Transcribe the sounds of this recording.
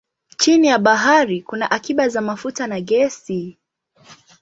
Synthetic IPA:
t͡ʃinijaɓaɦaɾikunaʔakiɓazamafutanaɠɛsi

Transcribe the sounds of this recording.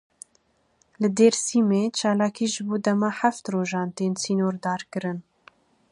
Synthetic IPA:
lɨd̪eːɾsiːmeːt͡ʃʰɑːlɑːkiːʒɨboːd̪ɛmɑːħaft̪roːʒɑːnt̪eːnsiːnoːɾd̪ɑːɾkɨɾɨn

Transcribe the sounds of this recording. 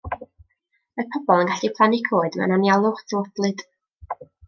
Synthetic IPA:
əpʰɔbɔlˠənɡaɬd̥ipʰlˠanɪɡʰoɨdmɛ̰wnanjalˠʊχtʰəwɔblˠɨd̥

